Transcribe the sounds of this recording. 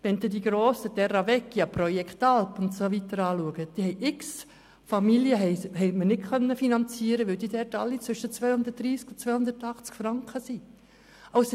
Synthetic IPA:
ʋɛnt̪idiɡɾoːsəd̥̪ɛɾɑvɛkːjɑprɔjɛkt̪ɑlpʊnt̪soʋit̪əɾɑːluəɡ̥əd̥ihɛɪʔɪks | fɑmiljəɦɛhɛɪmənɪɡkʰœnːəfinɑnt͡siːəɾəʋɪld̥̪iːdɛɾtɑlːit͡sʋʏʃət͡sʋœjhʊnd̪ət̚dɾiːskʊnt͡sʋœhʊnd̪əɾtɑχt͡skfɾɑŋkχəsi | ɑʊs

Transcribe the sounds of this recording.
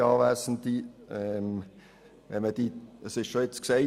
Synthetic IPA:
ɑːvæːsn̩tiɛm | ʋɛnməd̥iəsɪʃʃoet͡skse

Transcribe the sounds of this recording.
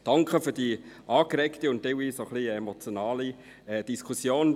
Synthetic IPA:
d̥ɑŋkʰəfydiʔɑːkɾɛktəʊnt̚d̥elʋiːsoχliemot͡sjonɑːli | ɛd̥iskʰusjoːn

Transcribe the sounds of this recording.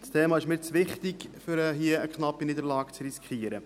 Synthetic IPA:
stʰeːmɑːɪʃmɪɾt͡sʋɪχt̪ɪɡfʏɾəɦiəəkχnɑpːinid̪əɾlɑːkt͡sɾiskχiəɾə

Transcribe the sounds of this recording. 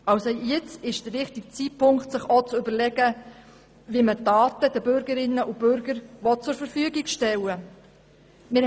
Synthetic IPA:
ɑwsojɪt͡sɪʃd̥̪əʋɪχtik̚t͡sitpʰʊŋkχtsɪχɔt͡sʏbəɾlɛɡə | vimətɑːtədəbʏɾɡəɾɪnːəʔub̥øɾɡəɾʋɔt̚t͡sʊɾfəɾfyəɡiɡʃtɛwə | mɪ

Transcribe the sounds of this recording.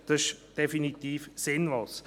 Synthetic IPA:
d̥ɑɪʃd̥efinit̪iːfsɪnvoːs

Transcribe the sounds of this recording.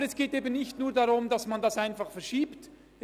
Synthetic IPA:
əɾɛsɡ̥eːteːbənnɪçtnuːɐɾdɑʁʊmdɑsmandɑsaɪnfɑχfɛɐɾʃiːpt

